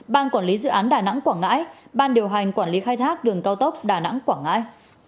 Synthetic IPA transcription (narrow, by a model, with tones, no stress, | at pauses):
ɓaː˧nkwaː˧˩nli˨˦zɨ̰˧˨ʔaː˨˦nɗaː˨˩na̰˧˥ŋkwaː˧˩ŋa̰ː˧˥jɓaː˧nɗi˨˩əwɦa˨˩jŋ̟kwaː˧˩nli˨˦xaː˧jt̪ʰaː˦˥k̚ɗɨ˨˩əŋkaː˧wt̪ə˦˥wp̚ɗaː˨˩na̰˧˥ŋkwaː˧˩ŋa̰ː˧˥j